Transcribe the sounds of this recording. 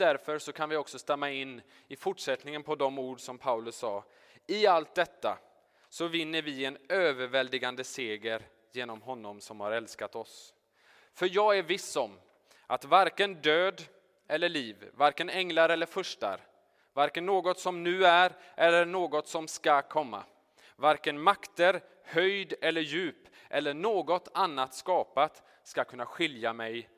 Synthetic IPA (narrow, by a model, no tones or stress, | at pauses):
d̪̥æɾfœɾʂɔkʰanvɪɔksɔst̪ɛmːaɪnː | ɪfʊʈʂɛt̪nɪŋənpʰɔd̪ɔmuːɖʂɔmpʰaʉlɵsːɑː | ɪalt̪̚d̪ɛt̪ːa̰ | sɔvɪnːəɾvɪɛnøːvəɾvɛld̪ɪɡand̪əseːɡəɾ | jeːnɔmɦɔnːɔmsɔmhaɾɛlskat̪ɔs | fœɾjɑːɡæɾvɪsːɔm | ʔat̪vaɾkənd̪øːd̪ | ʔɛlːəɭiːvːaɾkənɛŋlaɾɛlːəɾfɵʂʈa̰ɾ | vaɾkənːoːɡɔt̪sɔmnʉ̟ːæɾ | ʔɛlːəɳoːɡɔt̪sɔmskakʰɔmːa̰ | vaɾkənmakt̪əɾ | hœjd̪ɛlːəɾjʉ̟ːp | ʔɛlːəɳoːɡɔt̪anːat̪skɑːpat̪ | skakʰɵnːaɧɪljamɛj